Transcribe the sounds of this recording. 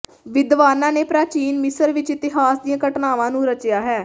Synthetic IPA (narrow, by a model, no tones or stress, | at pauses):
ʋɪd̪ʋaːnãːneːpɾaːt͡ʃiːnmɪsəɾʋɪt͡ʃɪt̪ɪɦaːsd̪ijãːkəʈnaːʋãːnũːɾət͡ʃjaːɦɛː